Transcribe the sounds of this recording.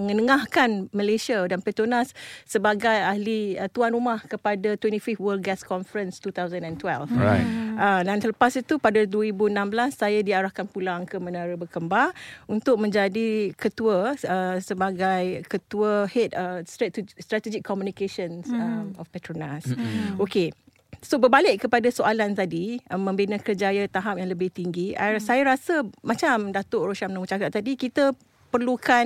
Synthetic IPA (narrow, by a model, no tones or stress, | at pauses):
məŋə̃nəŋahkanməlesiadanpɛt̪ɾonasːəbaɡajahliət̪uanrɾumahkəpadat̪wɛntififwəl̚ɡɛskɔnfəɾənst̪ut̪awzə̃nɛ̃nt̪wɛlfaədansələpasit̪upadaduəɾibuənãmbəlasːajadiaɾahkanpulaŋkəmə̃naɾəbəkəmbalunt̪ʊk̚mə̃ɲd͡ʒadikət̪uəəsəbaɡajkət̪uəhɛt̪̚əst̪ɾɛtst̪ɾat̪ɛd͡ʒikʰːɔmjunikeʃənsəmɔfpɛt̪ɾonasoke | sobəbalɪʔkəpadasoʔalant̪adiʔəmə̃mbinəkərd͡ʒajat̪aɦap̚jaŋləbɪht̪iŋɡiasajaɾasəmãt͡ʃamdat̪oʔroʃamnamut͡ʃakat̪̚ːadikit̪ə | pərlukʰan